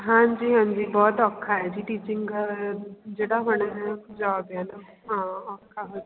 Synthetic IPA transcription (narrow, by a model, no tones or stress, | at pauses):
ɦãːɲd͡ʒiːɦãːɲd͡ʒiːbɔːt̪ɔkʰːaɦɛd͡ʒiːʈiːt͡ʃɪ̃ŋɡ | d͡ʒeːɽaɦoɽ̃aɦɛd͡ʒaːbaːna | ɦãːakʰːaɦoː